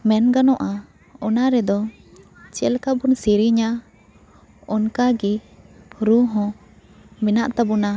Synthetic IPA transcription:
mɛnɡanɔʔa | ɔnaɾɛd̪ɔ | t͡ʃɛlkabunsiɾiɲa | ɔnkaɡi | ɾuɦɔ̃ | minaʔt̪abuna

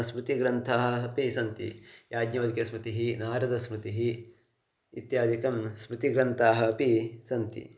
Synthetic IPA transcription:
smɾut̪iɡɾɐnt̪ʰaːɦɐ̆pisɐnt̪ḭjaːɡɲɐʋɐd̪ikɐsmɾut̪iɦinaːɾɐd̪ɐsmɾut̪iɦi | it̪jaːd̪ʱikɐmsmɾut̪iɡɾɐnt̪ʰaːɦɐ̆pisɐnt̪ḭ

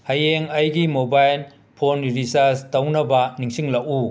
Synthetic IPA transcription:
hɐjeŋɐjɡimobajl | pʰonɾisaɾstɐwnɐbɐniŋsiŋlɐku

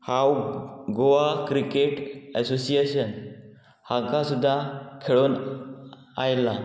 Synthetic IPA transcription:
hawɡoʋakɾikeʈɛsosieɕən | hãkasud̪ʱːakʰeɭuːn | ajla

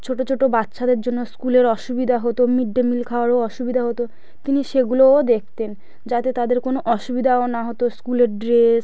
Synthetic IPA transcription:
t͡ɕʰoʈot͡ɕʰoʈobat̪ːʃad̪eɾd͡ʑonːoskuleɾɔʃubid̪ʱaɦot̪omiɖːemilkʰaoaɾoɔʃubid̪ʱaɦot̪o | t̪iniʃeɡulood̪ek̚ʰt̪en | d͡ʑat̪et̪ad̪eɾkonoʔɔʃubid̪ʱaonaɦot̪oskuleɾɖɾes

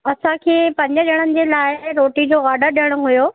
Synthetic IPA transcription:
ɐsãkʰeːpɐ̃ɲd͡ʑə̆d͡ʑɐɽ̃ənɪ̆d͡ʑeːlaːɪɾoːʈid͡ʑoːɣaːɖəɾɗijəɽ̃ʊɦʊjoː

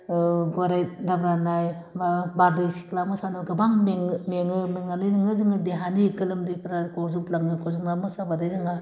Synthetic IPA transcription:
ɡaɾajdabɾanajmabaɾdɯjsi̥klamɔsanoɡɯbaŋmeŋmeŋɯmiŋalɯjnɯŋɯzɯŋɯdeɦanikɯlɯmdikʰɾakʰozuplaŋɯkʰozuŋlamɔsabadajzɯŋɡa

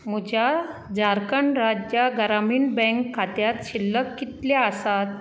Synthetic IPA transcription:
m̤ud͡ʑʱjad͡zaɾkəɳɾad͡ʑjaɡəɾamiːnbɛ̃ŋkʰːat̪jat̪ɕilːəkːit̪laasat̪̚

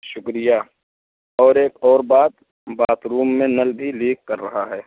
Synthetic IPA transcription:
ʃʊkɾija | ɔːɾeːkɔːɾbaːt̪̚ | baːt̪ɾuːmːẽnɐlbʱiliːkːɐɾːɐɦaɦɛː

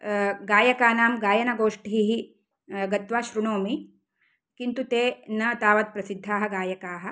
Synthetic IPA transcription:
ɡaːjɐkaːnaːmɡaːjɐnɐɡoːʂʈiɦiɦi | ɡɐt̪ʋaːʃɾuɳoːmi | kint̪ut̪eːnɐt̪aːʋɐt̪̚pɾɐsid̪ʱːaːɦɐ̆ɡaːjɐkaːɦɐ̆

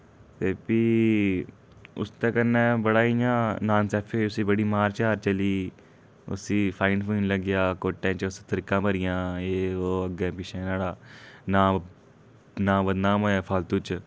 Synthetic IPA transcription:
t̪eːpiː | ʊ̰st̪ẽːkəɾnɛ̃ːbəɽaːiãːnaːnsɛːpʰoːʊsiːbəɽiːmaːɾt͡ʃaːɾt͡ʃəliː | ʊ̰siːpʰaːɪɳɖpʰuːnləɡɪjaːkoːʈːẽːt͡ʃʊst̪əɾiːkãːpəɾɪjãːeːoːəɡẽːpɪt͡ʃʰɛ̃ːnaːɽaːnaː | naːbəd̪naːmɦoːjaːpʰaːlt̪ut͡ʃ

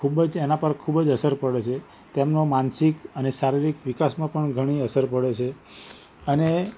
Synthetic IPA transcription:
kʰubd͡ʒenapəɾkʰubd͡ʒəsəɾpəɽet͡ʃʰe | t̪emnomansikənesaɾiɾikʋikasmãpəɳɡʱəɽ̃iəsəɾpəɽet͡ʃʰe | əne

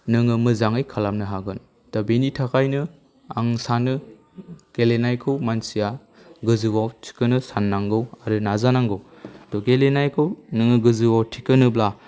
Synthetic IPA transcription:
nɯŋɯmɯzaŋɯjkʰalamnɯɦaɡɯn | tabenitʰakʰajnɯ | a̰ŋsanɯ | ɡ̥elenajkʰɯwmansija | ɡɯzɯbawtʰi̥kɯnɯsanːaŋɡɯwaɾɯnazanaŋɡɯw | atɔɡelenajkʰɯwnɯŋɯɡɯzɯbawtʰikɯnɯbla

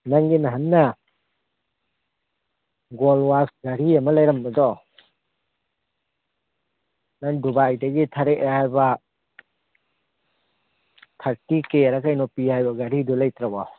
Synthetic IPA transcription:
naŋɡinaɦannɐ | ɡolwasɡaɾiɐmɐlajɾɐmbɐdɔ | naŋdubajdɐɡitʰaɾeʔhajbɐ | tʰaɾtikeaɾakajnɔpihajbɐɡaɾidɔlajtɾabɔ

